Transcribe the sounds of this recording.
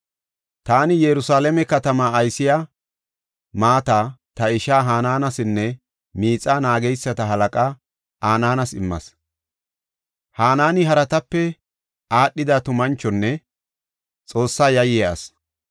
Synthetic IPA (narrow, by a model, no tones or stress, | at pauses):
t̪aːnɪjɛɾʊsaːlɛmɛkɐt̪ɐmaːjsɪja | maːt̪aːt̪ɐɪʃaːɦaːnaːnɐsɪnːɛ | miːt͡sʼːaːnaːɡɛjsːɐt̪ɐɦɐlɐkʼaː | ʔaːnaːnɐsɪmːɐ̰s | haːnaːnɪɦɐɾɐt̪ɐpːɛ | aːɗːɪd̪at̪ʊmɐnt͡ʃːɔnːɛ | t͡sʼo̞ːsːaːjɐjɛɐ̰s